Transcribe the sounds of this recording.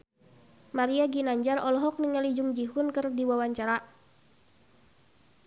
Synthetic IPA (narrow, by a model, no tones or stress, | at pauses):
maɾiaɡinaɲd͡ʒaɾɔlɔɦɔk̚niŋalid͡ʒʊŋd͡ʒiɦunkɨrdiwawaɲt͡ʃaɾa